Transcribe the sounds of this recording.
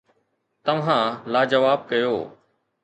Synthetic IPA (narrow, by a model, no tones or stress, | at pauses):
t̪ɐʋɦãːlaːd͡ʒɐʋaːb̚kɐjoː